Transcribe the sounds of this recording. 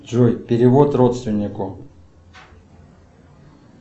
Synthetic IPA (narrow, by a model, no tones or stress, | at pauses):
ʐojpʲɪɾʲɪvot̪rot̪st̪vʲɪnʲːɪkʊ